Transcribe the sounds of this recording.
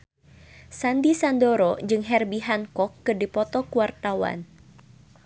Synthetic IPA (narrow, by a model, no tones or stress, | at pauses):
sandisandoɾɔd͡ʒɨŋɦɛrbiɦankɔkːɨrdipɔt̪ɔkuwart̪awa̰n